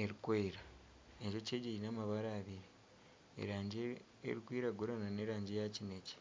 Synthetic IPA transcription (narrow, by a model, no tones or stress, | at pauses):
eɾikweːɾa | eɲʒo̞ceːɟeɾinaːmaβaɾaːβiɾe | ḛɾaːɲɟe | ḛɾikwiːɾaɡoɾanane̞ːɾaːɲɟejacineci̥